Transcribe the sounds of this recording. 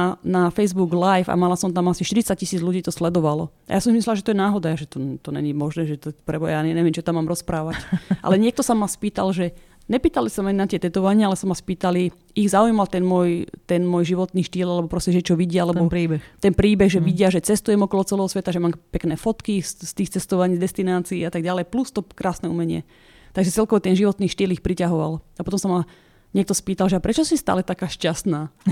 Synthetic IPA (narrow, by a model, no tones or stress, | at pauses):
nafɛjzbuɡlajfa̰malasɔmt̪amasiʃt̪iɾit͡sac̚cisiːd͡zluɟiːt̪ɔslɛd̪ɔʋalɔ̰ | a̰jasɔmsimislɛlaʒɛt̪ɔjɛnaːɦɔd̪aaʒɛt̪ɔt̪ɔɲɛ̰ɲimɔʒnɛːʒɛt̪ɔpɾɛbɔjjaːɛnɛʋɛmt͡ʃɔt̪amːaːmɾɔspɾaːʋacʔa̰lɛɲɪɛk̚t̪ɔsamaspiːt̪alʒɛ | ɲɛpiːt̪alisamaɲnat̪ɪɛt̪ɛt̪ɔʋaɲɪaalɛsamaspiːt̪ali | iɣzaujmalt̪ɛnmʊɔjt̪ɛnmwɔːjʒiʋɔt̪niːʃt̪iːlalɛbɔpɾɔscɛʒɛt͡ʃɔʋiɟɪaalɛbɔt̪ɛnpɾiːbɛɣʒɛʋiɟɪaʒɛt͡sɛst̪ujɛmɔkɔlɔt͡sɛlɛːɦɔsʋɛt̪aʒɛmaːmpɛknɛːfɔt̪kisst̪iːxt͡sɛst̪ɔʋaɲiːd̪ɛst̪inaːt͡siːat̪aɡ̚ɟalɛjplust̪ɔkɾaːsnɛṵmɛɲɪɛ̰ | t̪aɡʒɛt͡sɛlkɔʋɔt̪ɛnʒiʋɔt̪niːʃt̪iːlixpɾicaɦɔʋa̰lapɔt̪ɔmsama | ɲɪɛkt̪ɔspiːt̪alʒɛapɾɛt͡ʃɔsist̪a̰ːlɛt̪akaːʃcast̪naː